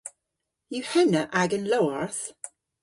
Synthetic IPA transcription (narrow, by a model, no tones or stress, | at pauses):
jʉhɛnəʔaɡə̃nloʊəɹθ